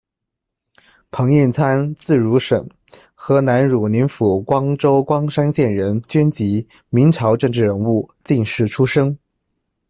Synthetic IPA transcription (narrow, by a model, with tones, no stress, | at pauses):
pʰɤ˧˥ŋi˥˩nt͡sʰa˥nt͡sɹ̩˥˩ɻu˧˥ʂə̰˨˩ŋ | xɤ˧˥na˧˥nɻu˨˩ni˧˥nfu˨˩kwɑ˥ŋʈ͡ʂo˥ʊkwɑ˥ŋʂa˥nɕjɛ˥˩nɻə˧˥nt͡ɕɥɛ˥nt͡ɕi˧˥ | mi˧˥ŋʈ͡ʂʰɑ˧˥ʊʈ͡ʂɤ˥˧ŋʈ͡ʂɻ̩˥˩ɻə˧˥nu˥˧˩t͡ɕi˥˧nʂɻ̩˥˩ʈ͡ʂʰu˥ʂɤ˥ŋ